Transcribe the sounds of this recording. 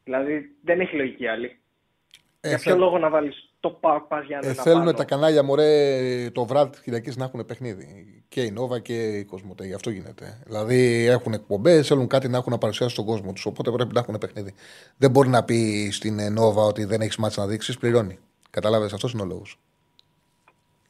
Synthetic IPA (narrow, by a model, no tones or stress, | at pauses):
ðilɐðiðeneçiloʝiciɐli | eɐpçoloɣonɐvɐlist̪opakpɐzʝɐθe̞lunet̪ɐkɐnɐʎɐmoɾet̪o̞vɾɐt̪i̥sçilɐciznɐxune̞pe̞xniðḭ | ce̞ino̞vɐce̞iko̞zmot̪eiʝɐft̪o̞ʝine̞̰t̪e̞̰ðilɐðie̞xune̞k̚po̞mbe̞sθeluŋkɐt̪inɐexunɐpɐɾusiɐsist̪o̞ɡo̞zmo̞t̪u̥so̞po̞t̪e̞pɾe̞pinɐxune̞pe̞xniði | ðembo̞ɾinɐpist̪inno̞vɐo̞t̪iðe̞ne̞çizmɐθisnɐðiksispliɾo̞ni | kɐt̪ɐlɐve̞sɐft̪o̞s̬ino̞lo̞̰ɣus